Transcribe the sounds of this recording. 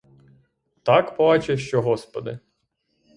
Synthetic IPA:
t̪ɑkpɔbɑt͡ʃeʃt͡ʃɔɦɔspɔd̪ɪ

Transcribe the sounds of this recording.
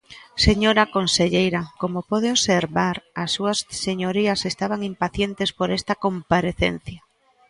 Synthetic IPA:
seɲoɾakonseʎejɾakomopɔð̞eoseɾβaɾasːuɐsseɲoɾiɐsest̪aβaŋimpaθjent̪espoɾest̪akompaɾeθḛn̟θja

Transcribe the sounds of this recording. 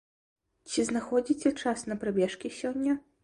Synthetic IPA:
t͡sʲiznaxɔd͡zʲit͡sʲɛt͡ʂasnɐpɾabʲɛʂkʲisʲɔnʲːɐ

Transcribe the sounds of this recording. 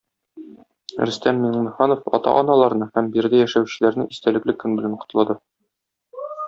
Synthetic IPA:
ɾɘ̆st̪ænminmɘ̆χɑnofɒ̰t̪ɑ̰ʔɒnɑlˠɑɾnɤhæmbiɾd̪ɘjæʃæwɕɘ̆læɾnɘʔist̪ælɘ̆klɘkːɵnbɘ̆læɴqʰŏ̥t̪̆lˠɑd̪ɤ

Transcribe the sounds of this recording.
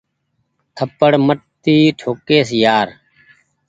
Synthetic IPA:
t̪ʰəpəɽməʈt̪iːʈʰoːkeːsjaːɾ

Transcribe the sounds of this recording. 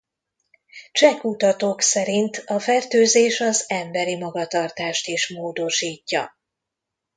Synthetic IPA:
t͡ʃɛkut̪ɒt̪oksɛɾint̪ɒfɛrt̪øːzeːʃɒzɛmbɛɾimɒɡɒt̪ɒrt̪aːʃt̪iʃmoːd̪o̞ʃiːcːɒ̰

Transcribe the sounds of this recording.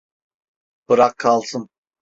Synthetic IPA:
b̥ɯɾaqʰːalˠsɯn

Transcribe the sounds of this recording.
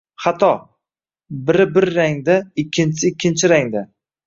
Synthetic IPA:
χat̪ʰɒ | bɪɾɪbɪɾːaŋd̪aɪkʲʰːɪnt͡ʃʰɪɪkʲʰːɪnt͡ʃʰɪɾaŋd̪a

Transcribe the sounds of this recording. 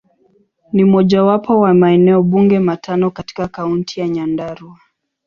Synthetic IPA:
nim̩ɔʄawapɔwamaɛnɛɔɓuŋɡɛmatʰanɔkati̥kakauntʰijaɲandaɾua

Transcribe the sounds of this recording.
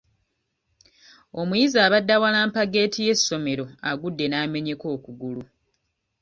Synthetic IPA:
o̞mujizaːβadːawalaːmpaɡe̞ːtije̞sːo̞me̞ɾo̞aɡudːe̞naːme̞ɲe̞ko̞ːkuɡulu

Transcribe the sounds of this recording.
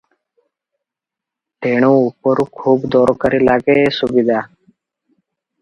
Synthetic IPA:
ʈeːɳ̃õupəɾukʰuːbd̪ɔːɾokəɾilaːɡesubid̪aː

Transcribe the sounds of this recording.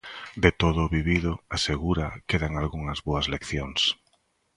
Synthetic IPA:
d̪et̪oðʊβiβiðʊaseɣuɾakeðaŋalɣuŋɐzβoɐzlekθjoŋs

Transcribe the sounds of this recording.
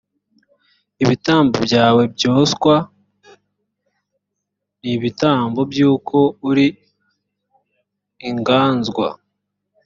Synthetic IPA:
iβitaːmbobɟaːwe̞bɟoːskwa | niβitaːmbo̞bjuːkʰo̞uɾi | ŋɡaːnzɡwa̰

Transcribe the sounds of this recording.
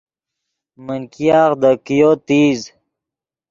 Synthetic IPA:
mənkijaːxd̪əkijot̪iːz

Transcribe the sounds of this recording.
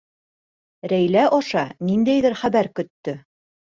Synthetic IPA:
ɾæjlæʔɒʃɑnind̪æjðɘɾχæβæɾkɵ̆t̪ːɵ

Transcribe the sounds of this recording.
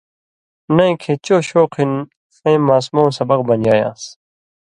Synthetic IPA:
nɐj̃kʰet͡ɕoːɕoːqʰin | ɐ̃jmːaːsmowsɐbɐq̚bɐnjaːjã̰ːs

